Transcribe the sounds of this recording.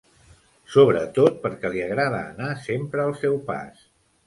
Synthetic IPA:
soβɾət̪ot̪̚pəɾkɛliəɣɾaðə̰ːnasempɾəːlˠsɛwpa̰s

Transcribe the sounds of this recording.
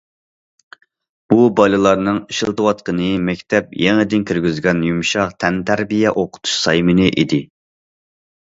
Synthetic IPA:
b̥ubɑlɨlˠɑɾnɨŋiʃilˠt̪ʰɨwɑt̪qənɨmɛkʲt̪ʰɛp̚jeŋɪd̪ɪnkʲʰyɾɡʲyzɡʲɛnjumʃɑqt̪ʰɛnt̪ʰæɾbijɛʔoqʰʊ̥t̪ʰu̥ʃsɑjmɨnɨʔid̪ɪ

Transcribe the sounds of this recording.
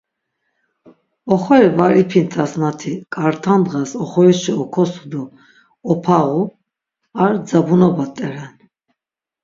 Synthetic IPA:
ɔχɔɛvaɾipʰint̪ʰasnat̪ʰikʼaɾt̪ʰand̪ʁasɔχɔɛʃiɔkʰɔsud̪ɔː | pʰaʁu | aɾd͡zabunɔbat̪ʼɛɾɛn

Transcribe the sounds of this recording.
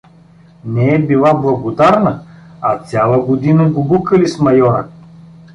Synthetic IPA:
nɛɛbilˠablˠɐɡod̪aɾnəat̪sʲjalˠəɡod̪inəɡoɡukəlismɐjɔɾə̰

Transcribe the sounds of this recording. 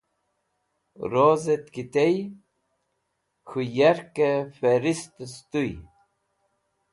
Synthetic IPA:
ɾozet̪kit̪ej | xujaɾkefeɾist̪st̪uj

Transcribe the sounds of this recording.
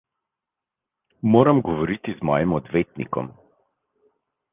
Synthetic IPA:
moːɾamɡɔʋɔɾit̪izmɔ̰ːjimɔd̪ʋeːt̪nḭkɔ̰m

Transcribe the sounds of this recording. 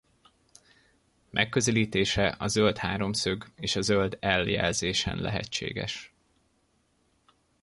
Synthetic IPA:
mʔɛkːøzɛliːt̪eːʃɛʔɒzølt̪haːɾo̞msøɡeːʃɒzøld̪ɛljɛ̰lzeːʃɛ̰nlɛ̰ɦɛ̰t͡ʃːḛːɡɛ̰ʃ

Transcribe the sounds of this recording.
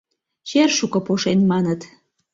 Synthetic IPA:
t͡ɕerʃukɤ̆poʃenmɑnət̪

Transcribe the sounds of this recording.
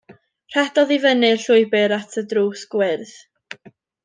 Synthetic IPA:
r̥ɛdɔðivənɨɬʊɨbɪɾatʰədruːsɡ̥wɪrð

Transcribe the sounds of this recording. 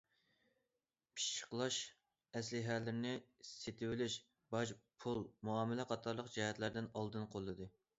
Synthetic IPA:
pʰi̥ʃt͡ʃʰə̥qlˠɑʃ | ɛslɪɦælːɪɾnɪset̪ʰɪwɪlɪʃ | bɑd͡ʒpʰulˠmuɑːmɪlɛqʰɑt̪ʰɑɾlˠəqd͡ʒɛɦɛt̪læɾd̪ɪnɑlˠd̪ɨnqʰolˠːɨd̪ɨ

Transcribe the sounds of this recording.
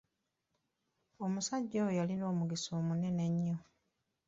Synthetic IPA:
omusaɟːawojalino̞ːmuɡiso̞ːmune̞ne̞ɲːo

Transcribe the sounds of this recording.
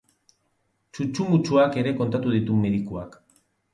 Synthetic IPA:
t͡ʃut͡ʃumut͡ʃuake̞ɾe̞ko̞nt̪at̪uð̞it̪umeðikuak

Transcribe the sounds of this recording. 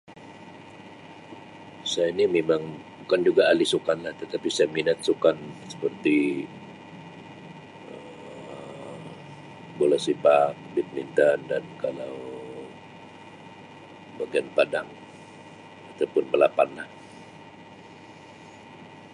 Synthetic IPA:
sajainimemaŋbukand͡ʒuɡaːlisukanlaht̪ət̪apisajaminat̪̚sukansə̥pərt̪i | ə | bolɛsipak̚bɪt̪̚mint̪andankalaw | baɡianpadaŋ | at̪awpʊnbəlapanlah

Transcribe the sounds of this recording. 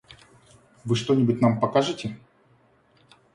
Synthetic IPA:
vɨʂt̪o̞nʲɪbʊt̚ʲnampɐkaʐɨtʲɪ

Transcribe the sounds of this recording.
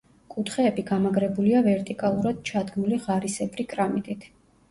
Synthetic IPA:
kʼut̪ʰχɛːbiɡamaɡɾɛbuliavɛɾt̪ʼikʼalˠuɾad̪̥̚t͡ʃʰad̪ɡmuliʁaɾisɛbɾikʼɾamit̪ʼit̪ʰ

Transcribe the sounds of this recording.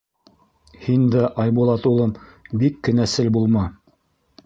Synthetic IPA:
hind̪æʔɑjbulˠɑt̪ulˠɤmbikːɘ̆næsɘlbulˠmɑ

